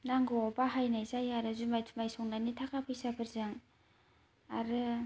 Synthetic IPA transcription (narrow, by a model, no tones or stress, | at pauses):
naŋɡɯɔpaɦajnajzajaɾɯzumajtʰu̥majsɔŋnanitʰakʰapʰɯjsapʰɯɾzɯŋ | a̰ɾɯ